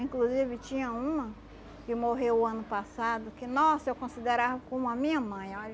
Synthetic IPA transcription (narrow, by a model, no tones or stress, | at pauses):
ĩkluzivɪt͡ʃĩɲɐũmɐ | kɪmoɦewɐ̃nʊpasad̪ʊkɪnɔsewkõsid̪eɾavɐkõmʊɐmĩɲɐmɐ̃j̃ɔ